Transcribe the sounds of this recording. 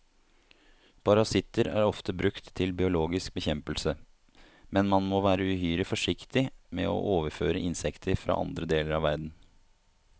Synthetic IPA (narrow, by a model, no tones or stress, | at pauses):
pʰɑɾɑsɪt̪ːəɾæ̰ːɾɔft̪əbɾʉkt̪ʰːɪlbɪʊloːɡɪsk̚bəçɛmpəlsə | mɛnmɑnmoːʋæːɾəʉhyːɾɪfɔʂɪkt̪ɪmɛ̰ːo̰ʔoːʋəɾføːɾəʔɪnsɛkt̪ʰəɾfɾɑ̰ːʔɑ̰nd̪ɾəd̪eːləɾɑːʋæɾd̪n̩